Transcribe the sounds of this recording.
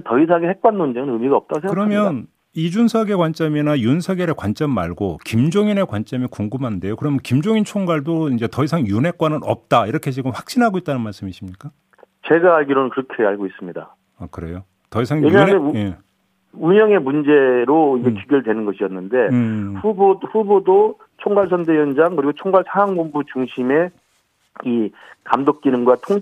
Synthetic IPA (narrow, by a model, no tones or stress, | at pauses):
tʌis̬ʰaɡehek̚k͈anmond͡ʑeŋɯnɯmiɡaʌp̚t͈aɡosʰekɯɾʌmjjʌn | id͡ʑunsʰʌɡe̞kwant͡ɕ͈ʌminajunsʰʌɡeɾekwant͡ɕ͈ʌmːaɭɡokimd͡ʑoŋine̞kwant͡ɕ͈ʌmikoŋɡɯmɦande̞jokɯɾʌmjʌnkimd͡ʑoŋint͡ɕʰoŋɡaɭdoind͡ʑe̞tʌisʰaŋjunɦe̞k͈wanɯnʌ̰p̚t͈aiɾʌkʰe̞d͡ʑiɡɯmɸwak̚ɕ͈inɦaɡoit̚t͈anɯnmaɭs͈ɯmiɕʰimɲik͈a | t͡ɕe̞ɡaːɭɡiɾonɯnkɯɾʌkʰeaɭɡois͈ɯmɲida̰ | akɯɾe̞jo | tʌis̬ʰaŋjeɲameje | uɲʌŋe̞mund͡ʑe̞ɾoiɡekiɡjʌɭdwenɯnɡʌɕʰijʌnːɯnde̞ɸuboɸubodo | t͡ɕʰoŋɡaɭsʰʌnde̞jʌnd͡ʑaŋkɯɾiɡot͡ɕʰoŋɡaɭsʰaŋaŋbombut͡ɕuŋɕʰime̞ | i | kamdok̚k͈iɾɯŋɡwatʰoŋ